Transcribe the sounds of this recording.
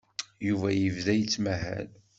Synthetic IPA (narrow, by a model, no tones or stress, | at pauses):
juvæjəvðæjət͡sːmæɦæ̰l